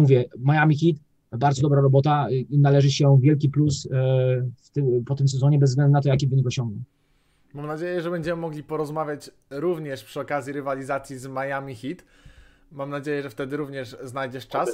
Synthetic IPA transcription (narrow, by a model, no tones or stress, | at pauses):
muvʲjɛmajamʲixʲit̪ | baɾd̪ɔd̪ɔbɾaɾɔbɔt̪analɛʐɘɕɛvʲjɛlk̬ʲiplus | ft̪ɘpɔt̪ɘmsɛzɔɲɛbɛzːɡlɛnd̪unat̪ɔjak̬ʲivɘɲikɔɕɔŋɡnɛ | mamnad͡ʑejɛʐɛbɛɲd͡ʑɛmɘmɔɡlʲipɔɾɔzmavʲjat͡ɕ | ɾuvɲɛʂpʂɨɔkazʲjiɾɘvalʲizat̪sʲjizmajamʲixʲit̪ | mamnad͡ʑejɛʐɛft̪ɛd̪ɘɾuvɲɛʂznajd͡ʑɛʂt͡ʂas